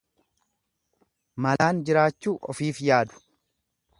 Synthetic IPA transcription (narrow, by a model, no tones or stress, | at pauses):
mɐlaːnd͡ʒɪɾaːt͡ʃːuːʔɔ̰fiːfjaːd̪ʊ̥